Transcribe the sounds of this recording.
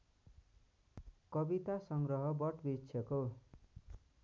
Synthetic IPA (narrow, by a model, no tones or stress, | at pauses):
kʌbit̪asʌŋɡrʌɦʌbʌʈbitsʰjʌko